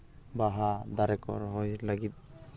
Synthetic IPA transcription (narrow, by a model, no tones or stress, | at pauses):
baɦad̪aɾɛkɔ̰ɾɦɔjlaɡit̪̚